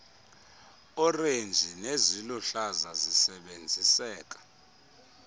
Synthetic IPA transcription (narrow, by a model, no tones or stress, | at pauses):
ɔrend͡ʒʱineziluɬazazisɛɓend͡zʱisɛːk̬ʼḁ